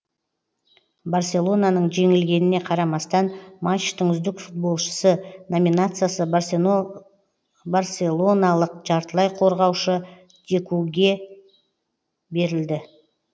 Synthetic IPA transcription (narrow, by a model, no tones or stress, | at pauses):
barsʲe̞lˠo̞nanəɴʒe̞ŋɪlɡʲe̞nɪne̞qʰɑɾɑmɑst̪ɑnmat͡ʃt̪əɴʏzd̪ɪkfut̪̚bo̞lˠʃə̥səno̞minat̪sɨjasə | baɾsʲe̞lˠo̞nalˠəq̚ʒɑɾt̪əlˠɑjqʰo̞ɾʁɑwʃə | d̪̥ʲe̞kʲuɡʲe̞ | be̞ɾɪld̪ɪ